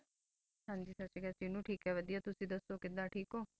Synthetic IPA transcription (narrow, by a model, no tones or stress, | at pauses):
ɦãːɲd͡ʒiːsət͡ʃiːɡat͡ʃɪnũːʈʰiːkɦɛːʋəd̪ijaːt̪ʊsĩːd̪əsːoːkɪd̪ãːʈʰiːkɦoː